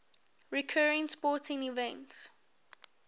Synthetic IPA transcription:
ɹikʰɜːɹɪ̃ŋspɔːˑtɪ̃ŋivɛ̃nts

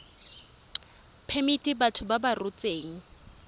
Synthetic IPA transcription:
pʰemitʼibatʰʊbabarʊt͡sʼeːŋ̩

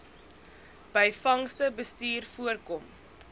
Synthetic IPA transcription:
b̥əjfɐŋstəbəstiːrfuərkɔm

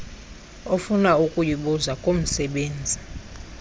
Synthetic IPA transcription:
ofunaukʼujiɓuzakʼom̩sɛɓeːnd͡zʱi

